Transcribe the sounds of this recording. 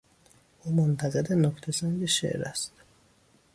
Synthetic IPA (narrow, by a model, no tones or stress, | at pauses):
ʔuːmont̪ʰæɣed̪enɔkʰt̪ʰesænɟeʃḛʔɾæ̰st̪